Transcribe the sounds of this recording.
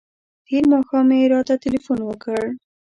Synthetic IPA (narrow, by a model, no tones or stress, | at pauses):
t̪eɾmɑxɑmeɾɑt̪at̪ɪlifunwəkəɽ